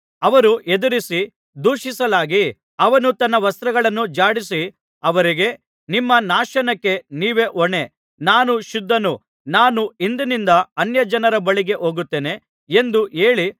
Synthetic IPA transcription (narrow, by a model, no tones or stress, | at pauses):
ɐʋɐɾuʔed̪uɾisi | d̪uːʃisɐlaːɡi | ɐʋɐnut̪ɐnːɐʋɐst̪ɾɐɡɐɭɐnːud͡ʒaːɽisi | ɐʋɐɾiɡe̞ | nimːɐnaːʃɐnɐkːe̞niːʋe̞ʔɔɳe̞ | naːnuʃud̪ʱːɐnu | naːnuind̪inind̪ɐɐnjɐd͡ʒɐnɐɾɐbɐɭiɡe̞ʔo̞ːɡut̪ːe̞ːne̞ | e̞nd̪ue̞ːɭi